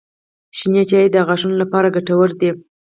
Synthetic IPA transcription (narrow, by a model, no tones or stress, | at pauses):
ʃinjat͡ʃɑid̪əɣɑʒunolapɑɾaɡaʈawəɾd̪i